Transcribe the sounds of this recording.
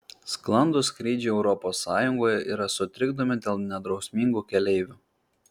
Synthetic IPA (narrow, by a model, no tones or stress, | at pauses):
sklˠɐnd̪ʊsʲkɾʲiːd͡ʒʲʊɛʊɾɔpoːsːɑːjʊŋɡoːjɛʔiːɾɐsʊt̪ʲɾʲɪɡd̪omʲɪd̪ʲeːlˠnʲɛd̪ɾɒʊsʲmʲiŋɡuːkʲɛlʲɛɪʋʲuː